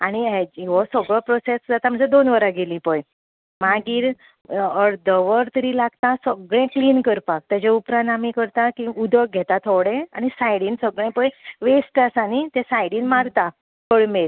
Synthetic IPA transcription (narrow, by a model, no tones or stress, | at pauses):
aɽ̃iɦeʋɔsəɡɭɔpɾɔsesd͡zat̪am̤əɳd͡zed̪onʋəɾaɡelĩpəj | maɡiːɾ | əɾd̪əʋəɾt̪əɾilaɡt̪asəɡɭẽkliːnkəɾpak̚t̪jad͡ʑeupɾãnt̪amikəɾt̪akiud̪ʱək̚ɡʱɛt̪at̪ʰoʋɽẽaɽ̃isajɽiːnsəɡɭẽpə̃jʋesʈəsanit̪ɛ̃sajɽiːnmaɾt̪a | kəɭmeɾ